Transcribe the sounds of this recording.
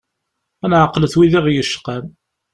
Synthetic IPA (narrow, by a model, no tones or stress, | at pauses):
ænʕəqːləθwiðiʁjəʃːqæm